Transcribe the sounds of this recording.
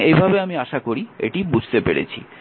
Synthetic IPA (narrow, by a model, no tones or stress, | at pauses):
ejbʱabeamiaʃakoɾiḛʈibud͡ʑʱt̪epḛɽḛt͡ɕʰḭ